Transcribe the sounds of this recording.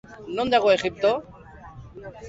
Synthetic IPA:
nõnd̪aɣoeχip̚t̪o

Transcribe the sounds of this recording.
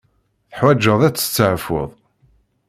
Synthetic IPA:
θħwæd͡ʒːəðˤæt͡sːə̥t͡sːəʕfo̰ðˤ

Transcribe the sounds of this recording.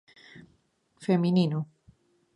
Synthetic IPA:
feminino

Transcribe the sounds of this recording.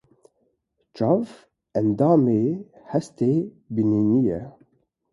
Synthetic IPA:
t͡ʃɑv | ɛnd̪ɑːmeːhɛst̪eː | biniːnijɛ̰

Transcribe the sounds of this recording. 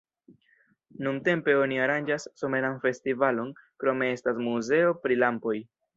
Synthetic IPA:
nunte̞mpe̞o̞niaɾand͡ʒasːo̞me̞ɾanfe̞stivalo̞nkɾo̞me̞e̞stasmuze̞o̞pɾilampo̞j

